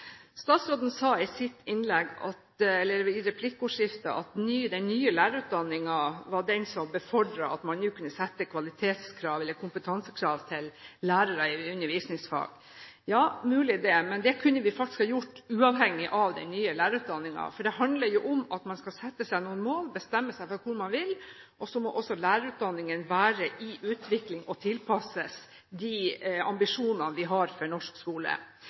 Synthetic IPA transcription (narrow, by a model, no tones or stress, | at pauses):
st̪ɑːt̪sɾoːd̪n̩sɑːɪsɪt̪ːɪnlɛɡɑ̰t̪ɛlːəɾɪɾɛpʰlɪkːʊːʂjɪft̪əʔɑ̰t̪nyːd̪ɛnnyːəlæːɾəɾʉːt̪̚d̪ɑnːɪŋɑʋɑɖɛnsɔmbəfɔɖɾɑɑt̪mɑnnjʉːkʰʉnːəsɛt̪ːəkʰʋɑlɪt̪ʰeːt̪skʰɾɑːʋɛlːəɾkʰʊmpət̪ʰɑnsəkʰɾɑːʋt̪ʰɪllæːɾəɾəɪʉnːəɾʋiːsnɪŋsfɑ̰ːɡ̥ | jɑːmʉːlɪd̪ɛːmɛnd̪ɛkʰʉnːəʋɪfɑkt̪ɪ̥skhɑːjʊʈːʉːɑʋhɛŋːɪʔɑʋd̪ɛ̰ɪnyːəlæːɾʉːt̪̚d̪ɑnːɪŋɑ̰fɔɖɛɦɑnd̪ləɾjʊʔɔmɑt̪mɑnskɑlsɛt̪ːəsæɪnuːənmoːlbəst̪ɛmːəsæɪfɔɾkʰʊɾmɑnʋɪl | ʔɔsɔmɔʔɔsːɔlæːɾəɾʉːt̪̚d̪ɑnːɪŋənʋæːɾəʔɪʔʉːt̪ʰʋɪklɪŋɔt̪ʰɪlpʰɑsəs | d̪iɑ̰mbɪʂuːnɑnʋɪɦɑɾfɔɳɔʂkskuːlə̰